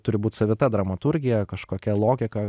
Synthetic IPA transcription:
t̪ʊɾʲɪbuːt̪ʲsɐʋʲɪt̪ɐd̪ɾɐmɐt̪ʊɾʲɡʲɪjɛkɐʃkoːkʲɛlˠoːɡʲɪkɐ

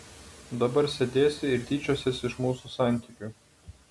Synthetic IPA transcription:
d̪ɐbɐɾsʲɛd̪ʲeːsʲɪɪɾʲt̪ʲiːt͡ʃʲosʲesɪʃmuːsusɑˑnʲt̪ʲiːˑkʲuˑ

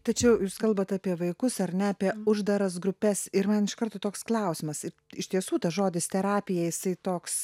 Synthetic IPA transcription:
t̪ɐt͡ʃʲɛʊjuːskɐlˠbɐt̪ɑːpʲiɛʋɐɪkʊsɐɾnʲɛɐpʲiɛʊʒd̪ɐɾɐs̬ɡɾʊpʲɛsɪɾmɐnɪʃkɐɾt̪oːt̪oːksklˠɐʊsʲɪmɐsɪɾɪʃt̪ʲiɛsuːt̪ɐʒoːd̪ʲɪst̪ʲɛɾɑːpʲɪjɛjɪsɐɪt̪oːks

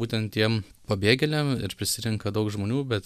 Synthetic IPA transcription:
uːt̪ʲɛnt̪t̪ʲiɛmpɐbʲeːɡʲɛlʲɛmɪ̰ɾpʲɾʲɪsʲɪɾʲɪŋkɐd̪ɐʊkʒmoːnʲuːbʲɛt̪

